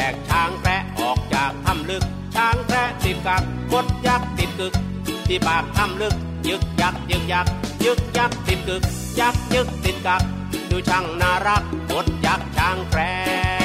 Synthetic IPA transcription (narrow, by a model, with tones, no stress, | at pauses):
ɛː˨˩k̚t͡ɕʰaː˧˥ŋkʰɾɛ˦˥ʔʔɔː˨˩k̚t͡ɕaː˨˩k̚t̪ʰa˧˥˩mlɯ˧˩k̚ | t͡ɕʰaː˧˥ŋkʰɾɛ˦˥ʔt̪i˨˩t̪̚ka˧˩k̚ko˦˥t̪̚ja˧˩k̚si˨˩t̪̚kɯ˨˧˩k̚ | t̪ʰiː˧˩paː˨˩p̚t̪ʰa˧˥˩mlɯ˧˩k̚ | jɯ˦˥k̚ja˧˩k̚t͡ɕɯ˧˩k̚ja˧˩k̚jɯ˦˥k̚ja˧˥˩k̚si˨˩t̪̚kɯ˨˩k̚ | ja˨˧˩k̚tɯ˦˥˩k̚t̪i˨˩t̪̚ka˧˩k̚ | duː˧˩t͡ɕʰa˧˥˩ŋnaː˧˩ɾa˦˥˩k̚ko˦˥t̪̚t͡ɕa˨˧˩k̚t͡ɕʰaː˧˥ŋkʰɾɛ˦˥